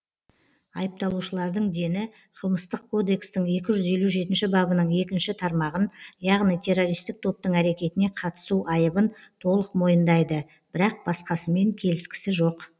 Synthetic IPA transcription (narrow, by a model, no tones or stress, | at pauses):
ɑjəp̚t̪ɑlˠuʃəlˠɑɾd̪əɴd̪e̞nɪ | qʰəlˠməst̪əq̚kʰo̞d̪e̞kst̪ɪŋe̞kʲɪʒʏze̞luʒe̞t̪ɪnʃɪbɑbənəɴe̞kʲɪnʃɪt̪ʰɑɾmɑʁənjɑʁnijt̪ʰe̞rːo̞ɾijst̪ɪk̚t̪ʰo̞p̚t̪əɴæɾe̞kʲe̞t̪ɪne̞qʰɑt̪ə̥suʔɑjəbənt̪ʰo̞lˠəqmo̞jənd̪ɑjd̪ə | b̥ɪɾɑq̚bɑsqɑsəme̞ŋkʲʰe̞lɪskʲɪ̥sɪʒo̞q